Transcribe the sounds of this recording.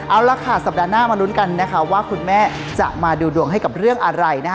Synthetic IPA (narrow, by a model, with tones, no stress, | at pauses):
ʔa˧wɾaː˧kʰaː˩sa˨˩p̚daː˧naː˥˩maː˧lu˦˥nka˧nːa˦˥kʰa˦˥waː˥˩kʰu˧nmɛː˥˩ | t͡ɕa̰˨˩ʔmaː˧duː˧du˧əŋɦa˥˩jka˨˩p̚ɾɯ˥˩əŋʔa˧ɾa˧jna˦˥